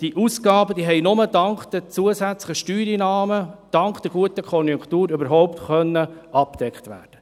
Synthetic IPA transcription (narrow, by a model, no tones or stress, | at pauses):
d̥iʔusɡɑːbəd̥̪iːɦɛɪnʊmədɑŋkd̥̪ɛt͡suəsæt͡slɪəʃtyːɾinɑːməd̪̥ɑŋkd̥ɛɡuətəkʰɔnjuŋkt̪uːɾøbəɾɦɔʊpt̪χœnːəɑp̚d̥̪ɛkχt̪ʋæ̰ːd̥ə